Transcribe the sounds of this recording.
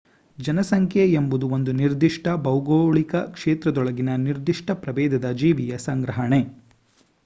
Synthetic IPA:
d͡ʒɐnɐsɐŋkʰjeembud̪uond̪uniɾd̪iʂʈɐbɐwɡoːɭikɐkʂeːt̪ɾɐd̪ɔɭɐɡinɐniɾd̪iʂʈɐpɾɐʋeːd̪ɐd̪ɐd͡ʒiːʋijɐsɐŋɡɾɐɦɐɳe

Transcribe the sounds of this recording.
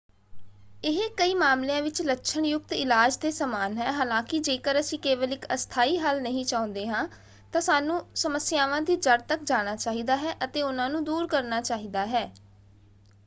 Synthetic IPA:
ɪɦekəiːmaːmleãːʋɪt͡ʃlətːʃʰəɳjʊkt̪ɪlaːd͡ʒd̪eːsəmaːnɦɛːɦaːlãːkɪd͡ʒeːkəɾəsĩːkeːʋəlɪkəst̪ʰaːiːɦəlnəɦĩːt͡ʃaːõnd̪eːɦãː | t̪ãːsaːnũːsəməsjaːʋãːd̪iːd͡ʒəɾt̪ək̚d͡ʒaːɽ̃aːt͡ʃaːɦiːd̪aːɦɛːʔət̪eːʊnãːnũːd̪uːɾkəɾnaːt͡ʃaːɦiːd̪aːɦɛː

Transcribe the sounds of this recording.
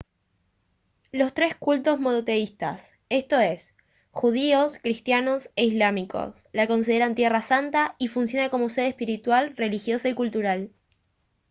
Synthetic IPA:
lo̞st̪ɾe̞skult̪o̞zmo̞not̪e̞ist̪a̰s | e̞st̪o̞e̞s | xuð̞ioskɾist̪jano̞seizlamiko̞̰s | lako̞ns̬ið̞eɾant̪je̞rasant̪aifuns̬jo̞nako̞mo̞se̞ðehpiɾit̪walre̞lixjo̞saikult̪uɾal

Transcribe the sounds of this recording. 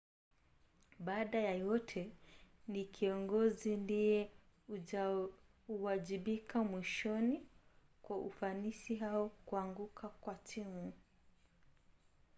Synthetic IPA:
ɓaːɗajajɔtʰɛ | nikʰiɔŋɡɔzindijɛ | uwaʄiɓikʰamwiʃɔni | kwaʔufanisiɦaɔkuaŋɡukʰakwatʰimu

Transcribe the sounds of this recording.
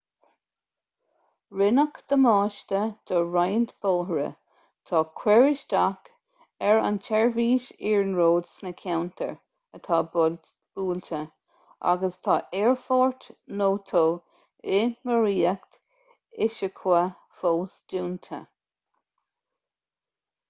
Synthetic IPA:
ɹɪnəkd̪̥əmɑːʃt̪əd̪̥ɔɹajnt̪b̥oːɦɹə̰ | t̪ʰɑːkʰwɛɹɪʃdak | ɛɹa̰ntʰɛɹviːʃiːɹnɹoːd̪snəkʲʰawnt̪ʰə̰ɹ | ət̪ʰɑː | b̥uːltʰə | ʔa̰ɡəst̪ʰɑːʔɛɹfɔɹt̪noːt̪ʰoː | ɪməɹiːəkt̪ | ɪʃəkʰwa | foːsduːnt̪ʰə̰

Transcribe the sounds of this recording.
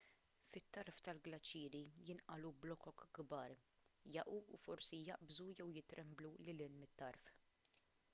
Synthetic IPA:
fɪt̪ːɐɾft̪ɐlɡlɐt͡ʃːiːɾijɪnʔɐlublɔkɔkɡbɐːɾ | jɐʔṵːfɔɾsijɐʔbzujɛwjɪt̪ɾʔɛmblulɪlɪnmɪt̪ːɐɾf

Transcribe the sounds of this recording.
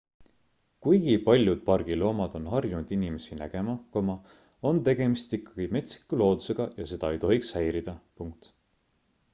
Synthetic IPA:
kujɡ̥ipɑlʲjud̪̥̚pɑrɡ̥ilo̞ːmɑd̪̥o̞nɦɑrjunud̪̥inime̞sinæ̰ɡ̥e̞mɑkomɑ | o̞nt̪e̞ɡe̞mist̪ikːˑɑ̥ɡ̥ime̞t̪si̥kːˑulo̞ːd̪use̞ɡ̥ɑjɑse̞d̪̥ɑe̞jt̪o̞ɦikshæjɾid̪̥ɑpuŋk̚t̪

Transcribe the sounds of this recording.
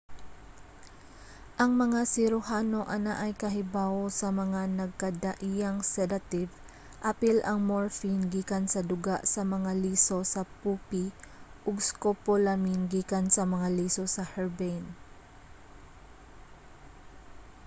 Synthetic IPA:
ʔɐŋmɐŋasɪɾʊhaːno̞ʔɐnaʔɐjkɐɦɪbaːosɐmɐŋanɐɡ̚kɐd̪ɐʔijɐŋsɛd̪ɐt̪ɪv | ʔapɪlʔɐŋmoɹfinɡiːkɐnsɐd̪ʊɡaʔsɐmɐŋaliːso̞sɐpuːpiʔoɡskopolaminɡiːkɐnsɐmɐŋaliːso̞sɐhɛɹbɛn

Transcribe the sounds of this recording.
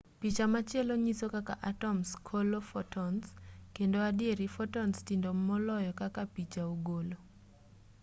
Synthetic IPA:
pit͡ʃamat͡ʃɪɛloɲisokaka̰ʔatɔmskʰolofɔtɔnskendoadɪeɾifɔtɔnstindomɔlɔjɔkakapit͡ʃaoɡolo

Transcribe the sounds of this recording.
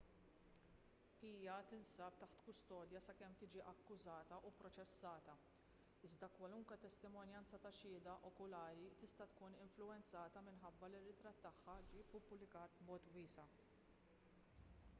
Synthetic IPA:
iːjɐt̪ɪnsɐːp̚t̪ɐħt̪kʊst̪ɔːd̪jɐsɐkɛmt̪ɪːd͡ʒiʔɐkːʊzɐːt̪ɐʔupɾɔt͡ʃɛsːɐːt̪ɐ | ɪzd̪ɐkwɐlʊŋkwɛt̪ɛst̪ɪmɔnjɐnt͡sɐt̪ɐʃɪːd̪ɐʔɔkʊlɐːɾit̪ɪst̪ɐt̪kuːnɪɱflʊɛnt͡sɐːt̪ɐmɪnħɐbːɐlirːɪt̪ɾɐt̪ːɐħːɐd͡ʒiːpːʊblɪkɐːt̪̚bmɔːt̪wiːsɐ

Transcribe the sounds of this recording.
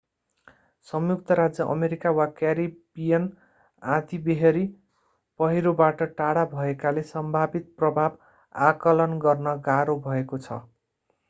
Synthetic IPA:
sʌmjuk̚t̪ʌɾad͡zjʌʔʌ̰meɾikawakaɾibijʌn | ãd̪ibeɦeɾi | pʌɦiɾobaʈʌʈaɽabʱʌekalesʌmbʱabit̪̚prʌbʱab | akʌlʌnɡʌrnʌɡaɾobʱʌekot͡sʰʌ̰

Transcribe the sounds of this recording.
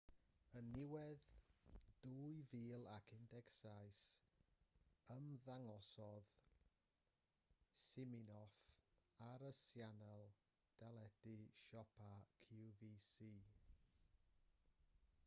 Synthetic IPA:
ənɪwɛð | d̥uːjviːlˠakʰɪndɛksajs | əmðaŋɔsɔð | sɪmɪnɔfaɾəsjanalˠ | d̥alˠɛdɨʃɔpʰakʰiuviːsiː

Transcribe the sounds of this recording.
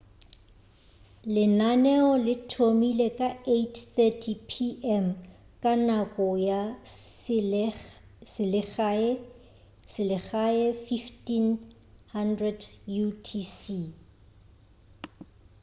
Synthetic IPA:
lɪnanɛɔlɪtʰomilekʼaetʰθɛtʰipʰiʔɛm | kʼanakʼɔja | sɪlɪ | sɪlɪɣaɛfiftin | handrɛdjutʰisi

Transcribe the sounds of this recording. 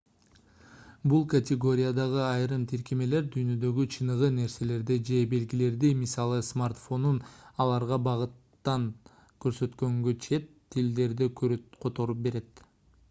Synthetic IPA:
bulˠkɐtʲeɡo̞ɾʲɪjad̪ɑʁɯɑjɾɯmt̪ʰiɾkʲeme̞le̞ɾd̪yjnø̞d̪ø̞ɡyt͡ʃʰɯnɯʁɯne̞ɾse̞le̞ɾd̪id͡ʒe̞be̞lɡile̞ɾd̪imisɑlˠɯsmart̪fo̞nunɑlˠɑɾʁɑbɑʁɯt̪ːɑŋ | køɾsø̞t̪kø̞ŋɡøt͡ʃʰe̞t̪ʰːild̪e̞ɾd̪ikøɾqʰo̞t̪o̞ɾup̚be̞ɾe̞t̪

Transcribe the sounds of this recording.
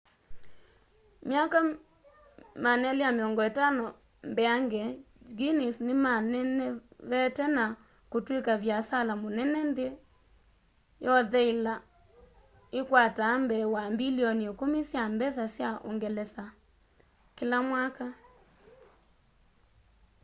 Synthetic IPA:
mjaka | manɛleameɔŋɡɔetanɔ | mbɛaŋɡɛ | ɡinisnemanɛnɛβɛtɛna | kotwekaβjasalamonɛnɛnde | jɔðɛila | ekwatambɛwambiliɔniekomisjambɛs̬asjaʔo̰ŋɡɛlɛsa | kelamwaka

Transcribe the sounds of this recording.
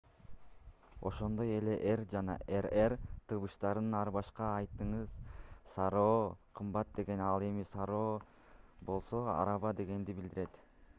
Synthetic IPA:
o̞̰ʃo̞nd̪o̞je̞le̞ʔeɾd͡ʒɑnɑ̰eɾert̪ʰɯβɯʃt̪ɑɾd̪ɯnɑɾbɑʃqɑːjt̪ɯɴɯz̥sɑɾo̞ːqʰɯmbɑt̪̚d̪e̞ɡe̞nɑlˠe̞misɑɾo̞ː | bo̞lˠso̞ɑ̰ɾɑβɑd̪e̞ɡe̞nd̪ibild̪iɾe̞t̪

